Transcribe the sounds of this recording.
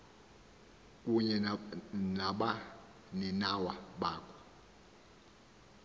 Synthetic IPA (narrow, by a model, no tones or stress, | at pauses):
kʼuɲɛnaɓa | ninawaɓaːkʰɔ̥